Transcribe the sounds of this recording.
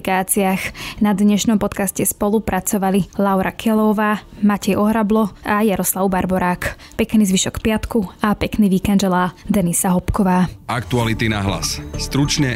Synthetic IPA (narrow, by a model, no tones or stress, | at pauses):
kaːt͡siaːxnad̪ɲɛʃnɔmpɔt̪kascɛspɔlˠupɾʔat͡sɔʋalilawɾʔakʰɛlɔwʋaːmacɛjɔɦɾablɔajaɾɔslaʊbaɾbɔɾaːk | pɛkniːzʋiʃɔkpɪat̪kuapɛkniːʋiːkɛnd͡ʒɛlaːd̪ɛnisaɦɔpkɔʋaːak̚t̪ualit̪inaɦla̰sst̪ɾut͡ʃɲɛ